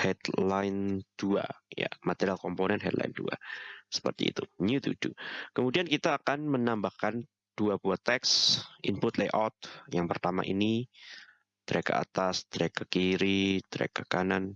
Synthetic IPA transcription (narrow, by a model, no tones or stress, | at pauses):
hɛd̪laɪnd̥ua̰ja̰mat̪eɾialkɔmponɛnɦɛt̪lʔa̰ɪndṵa̰sə̥pərt̪ḭːt̪unjut̪ud̥ukəmudiankit̪aːkanmənambahkan | d̥uabuat̪ɛksʔimpʊt̪lajʔɔt̪̚jaŋpərt̪ama̰ʔḭni | d̪̥əɾeka̰a̰t̪asd̪əɾekakiɾid̪̥əɾḛkakanan